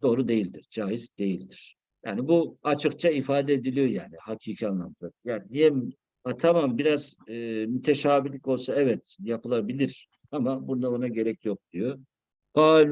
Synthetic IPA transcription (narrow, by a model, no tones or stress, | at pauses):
d̪̥o̞ːɾud̪e̞jilʲd̪iɾd͡ʒaːjizd̪e̞jilʲd̪iɾ̥ | ja̰ːnibuat͡ʃʰɯkt͡ʃʰaifaːd̪ɛed̪ilʲijo̞jaːnihacʰiːcʰianlˠa̰mlˠakjaːninijɛm | at̪ʰamambiɾazːmyt̪ʰe̞ʃaːbilʲicʰo̞lˠsaɛvɛt̪japɯlˠabilʲiɾ̥ | amabund̪aonaɟe̞ɾɛcjo̞k̚d̪̥ijo | b̥aːl